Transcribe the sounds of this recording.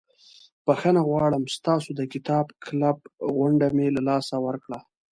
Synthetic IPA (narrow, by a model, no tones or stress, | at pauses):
pəxənaɣwɑɽəmst̪ɑsod̪əkɪt̪ɑbkʰlabɣaɳɖamelalɑsawəɾkɽa